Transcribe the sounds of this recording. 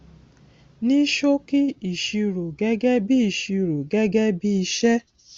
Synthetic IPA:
ni˦ʃo˦ki˦i˨ʃi˧ɾo˨ɡɛ˦ɡɛ˦bi˦i˨ʃi˧ɾu˨ɡɛ˦ɡɛ˦bi˦i˧ʃɛ˦

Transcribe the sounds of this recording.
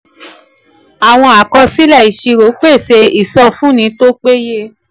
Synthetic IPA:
a˨w̃ɔ̃˧a˨kɔ˧si˦lɛ˦˨i˨ʃi˧ɾo˨˦k͡pe˦˨se˧i˦˨sɔ˧fũ˦nĩ˨˧˦to˦k͡pe˦je˦

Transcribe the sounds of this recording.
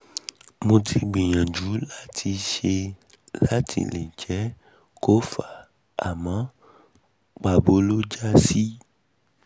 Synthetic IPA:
mũ˧tʰi˧ɡ͡bi˨ɲã˨d͡ʒu˨˦la˦tʰi˧ʃe˧ | la˦tʰḭ˨lḛ̃˨d͡ʒɛ˨˦ | ko˦fa˨ | a˨mã˨˦ | ɡ͡ba˨bo˨˦lo˦d͡ʒa˦si˦

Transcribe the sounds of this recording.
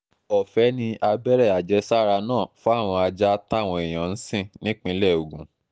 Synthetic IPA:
ɔ˨fɛ˨˦nĩ˧ʔa˧bɛ˦ɾɛ˦˨a˨d͡ʒɛ˧˦sa˦ɾa˧nãː˦˨fɔ˦a˦˨w̃ɔ̃˧a˧d͡ʒa˦ta˦˨w̃ɔ̃˧e˨j̃ã˨n̩˦sĩ˦˨nĩ˦k͡pĩ˧˦lɛ˦˨o˨ɡũ˨

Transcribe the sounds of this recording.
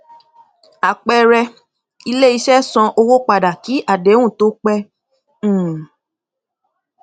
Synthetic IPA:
a˨k͡pɛ˧ɾɛ˧ | i˧le˦i˧ʃɛ˦sɔ̃˧ʔo˧wo˦k͡pa˨da˨ki˨˦ʔa˦˨de˨˦w̃ũ˦˨to˨˦k͡pɛ̃˦˨

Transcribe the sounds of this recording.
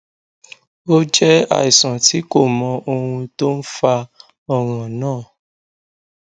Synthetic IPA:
o˦d͡ʒɛ˦a̰˨i˨sã˨ti˨˦ko˦˨mɔ̃˧ʔo˧hũ˧to˦n̩˦fa˧ | ɔ˧ɾã˨nãː˦˨

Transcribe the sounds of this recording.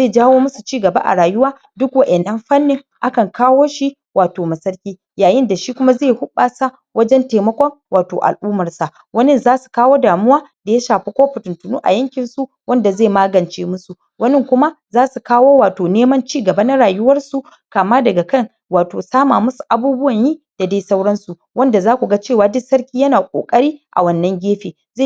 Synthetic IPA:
zeː˦˨d͡ʒaː˦woː˦mʊ˦su˨t͡ʃiː˦˨ɡɐ˨ba̰˦ʔa̰˨ɽaː˨jʊ˦waː˦ | dʊ˦kwɐ˦˨ʔɛ˨nːɐ˦mɸɐ˦nːɪ˨ŋ | ʔa˦kɐ˨ŋkaː˦woː˦ʃi˦ | wʔaː˨toː˨mɐ˨sɐ˦ɾkʲiː˦ | jaː˨jɪ˦nda˨ʃi˦kʷʊ˦ma˦zeː˦˨hʊ˦ɓaː˨sa˦ | wɐ˦d͡ʒɛ˦nteː˨mɐ˦kʷɔ˦ŋwaː˨toː˨ʔa̰˨lʔuː˦mɐ˨rsa˨ | wɐ˦nɪ˦˨nzaː˦su̥˨kaː˦woː˦daː˨mʊ˦waː˦da˨ja˦ʃaː˨ɸi˦kʷoː˦ɸɪ˨tʊ˨ntʊ˨nṵː˦ʔa̰˨jɐ˦ŋkʲɪ˨nsu˦ | wɐ˦nda˨ze˦˨maː˦ɡɐ˨nt͡ʃeː˦mʊ˦su˨ | wɐ˦nɪ˦ŋkʷʊ˦ma˦zaː˦su˨kaː˦woː˦waː˨toː˨neː˦mɐ˦nt͡ʃiː˦˨ɡɐ˨ba˦na˦ɽaː˨jʊ˦wɐ˦rsu˨ | kaː˨maː˦dɐ˨ɡa˨kɐ˦ŋ | waː˨toː˨saː˦maː˨mʊ˦su̥˨ʔa˨buː˦bʊ˦wɐ˨ɲjiː˦d̥a˨daː˦jsa˦wɽɐ˦nsu˨ | wɐ˦nda˨zaː˦kʷu˨ɡa˦t͡ʃeː˦˨waː˨dʊ˦sɐ˦ɾkʲiː˦jɐ˦naː˨kʷʼo̰ː˨kʼɐ˦ɽiː˦ʔa̰˨wɐ˦nːɐ˦ŋɡʲeː˦ɸeː˨ | ze˦˨

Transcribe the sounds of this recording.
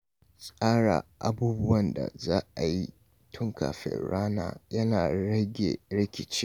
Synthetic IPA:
sʼaː˦ɽa̰˨ʔa˦buː˦bʊ˦wɐ˨nda̰˨zaː˦ʔa˨ji˦ | tʰʊ˦ŋka̰ː˨ɸɛ̰˦˨ɽaː˦na̰ː˨jɐ˦naː˨ɽɐ˦ɡʲḛ˨ɽɪ˦kʲɪ˨t͡ʃɪ˦

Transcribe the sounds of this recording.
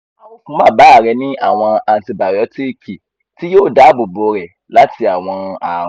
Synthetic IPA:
kũ˦mãː˦˨ba˨˦˨ɾɛ˨˧nĩ˦ʔa̰˦˨w̃ɔ̃˧a˧n̩˨ti˧ba˨jɔ˨˦ti˦ki˨ | ti˦joː˦˨da˨˦bo˨bo˨˧ɾɛ˨ | la˦ti˧a˨w̃ɔ̃˧a˨˦

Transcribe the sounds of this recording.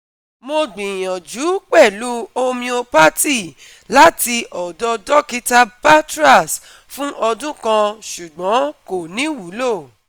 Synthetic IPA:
mo˧ɡ͡bĩ˨j̃ã˨d͡ʒu˨˦k͡pɛ˦˨lu˦o˧mĩ˧o˧pa˦ti˦˨ | la˦ti˧ɔ˨dɔ˧dɔ˦ki˦ta˧pa˦tɾa˦˨s | fũ˦ʔɔ˧dũ˦kã˧ʃu˨ɡ͡bɔ̃˨˦ko˨nĩ˨˦wu˨˦lo˦˨

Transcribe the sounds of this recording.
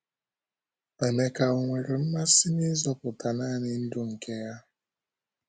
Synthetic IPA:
e˨ne˨ka˨o˨ŋʷe˨ɾe˨m̩˦ma˦sɪ˦nɪ˦zɔ˦pʊ˨ta˨na˦nɪ˨n̩˦dʊ˦ŋ̩˨ke˦ja˦

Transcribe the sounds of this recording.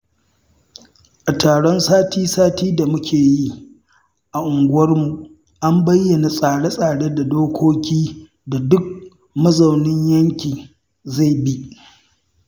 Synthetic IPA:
ʔa˨taː˨ɽɔ˦nsaː˦tʰiː˦saː˦tiː˦da˨mʊ˦kʲʰeː˨ji˦ | ʔa˨ʔʊ˨ŋɡʷʊ˦wɐ˦rmu˨ʔ | ʔa˦mbɐ˦jːɐ˨na˨sʼaː˨ɽe˦sʼaː˨ɽe˦da˨doː˦kʷoː˦kʲiː˦ | da˨dʊ˦k̚ | mɐ˦zɐ˨wnɪ˦ɲjɐ˦ŋkʲiː˨ | za˦˨jbi˦ʔ

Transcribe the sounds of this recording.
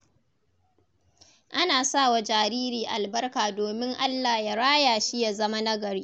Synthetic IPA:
ʔa˦naː˨saː˦˨wa˨d͡ʒaː˨ɾiː˦ɾiː˨ʔa˨lbɐ˦rkaː˨doː˨mɪ˦ŋʔa˦lːaː˨ja˨ɽaː˦jaː˨ʃi˦ja˨zɐ˦ma˦nɐ˦ɡɐ˨ɽiː˦

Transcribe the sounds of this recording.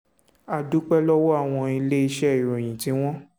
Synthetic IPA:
a˨du˦k͡pɛ˦lɔ˦wɔ˦a˦˨w̃ɔ̃˧i˧le˦i˧ʃɛ˦i˨ɾo˨j̃ĩ˨tĩ˨˦w̃ɔ̃˦

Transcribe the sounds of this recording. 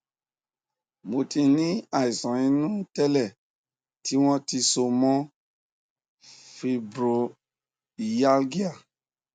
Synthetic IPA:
mo˨tĩ˧nĩ˦a˨i˨sɔ̃˨ĩ˧nũ˦tɛ˦lɛ˦˨ | ti˦w̃ɔ̃˦ti˧so˧mɔ̃˦ | fi˨bɾo˨ | ja˦lɡi˦a˦˨

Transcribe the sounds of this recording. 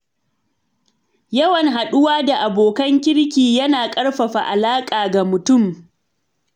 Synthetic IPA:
jɐ˦wɐ˨ŋɦa˨ɗʊ˦waː˦da˨ʔa˨boː˨kɐ˦ŋkʲɪ˦ɽkʲiː˨jɐ˦naː˨kʼɐ˦ɽɸɐ˨ɸa˨ʔa˨laː˦kʼaː˨ɡa˨mʊ˨tʊ˦˨m

